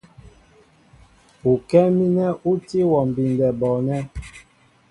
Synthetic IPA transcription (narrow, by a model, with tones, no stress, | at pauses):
u˨kɛ˦mi˦nɛ˦ʔu˦ti˦wɔ˨m̩˨bi˨ndɛ˨bɔ˨nɛ˦